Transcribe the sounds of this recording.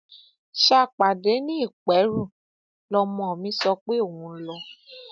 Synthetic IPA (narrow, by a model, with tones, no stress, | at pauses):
ʃa˧˨k͡pa˨de˨˦nĩ˦i˦˨k͡pɛ˨˦ɾu˦˨ | lɔ˧mɔ̃˧˨ɔ˨mĩ˨˦sɔ˧k͡pe˦o˦˨wũ˧˦lɔ˧